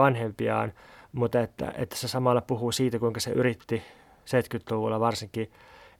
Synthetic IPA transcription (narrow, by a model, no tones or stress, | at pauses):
ɑnhempiɑ̰ːnmut̪ɑet̪ːæ̰ʔḛt̪ːæ̥sesɑmɑlːɑpuhusiːt̪ækuiŋkɑsḛʔyrit̪ːi | seit̪kyt̪luʋulːɑʋɑrsiŋki